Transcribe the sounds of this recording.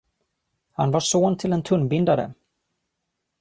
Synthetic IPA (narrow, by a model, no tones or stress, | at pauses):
hanvaʂoːnt̪ʰɪlɛnt̪ʰɵnbɪnd̪ad̪ə̰